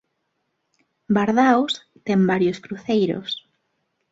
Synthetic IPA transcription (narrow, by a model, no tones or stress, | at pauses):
baɾðaws | t̪ɛmbaɾjoskɾuθejɾo̰s